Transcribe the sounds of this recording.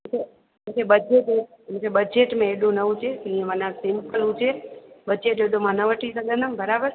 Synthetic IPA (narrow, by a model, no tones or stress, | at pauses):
mt͡ʃʰe | əmt͡ʃʰebəd͡ʒeʈe | əmsʰebəd͡ʒeʈmẽeɖũnəʋũt͡ʃʰesəiemənãsɪmpəlũt͡ʃʰebəd͡ʒeʈeɽõmanəʋəʈʰisəɡənəmbʱəɾabəɾ